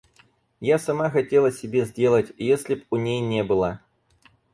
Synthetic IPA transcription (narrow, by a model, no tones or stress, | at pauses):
jasɐmaxɐtʲelˠəsʲɪbʲezʲdʲelˠətʲjesʲlʲɪpunʲejnʲebɨlˠə